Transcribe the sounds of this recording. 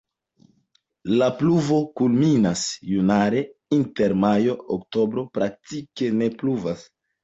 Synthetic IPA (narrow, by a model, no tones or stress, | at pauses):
lapluvo̞kulminasjunaɾe̞inte̞ɾmajo̞okto̞bɾo̞pɾak̚tike̞ne̞pluvas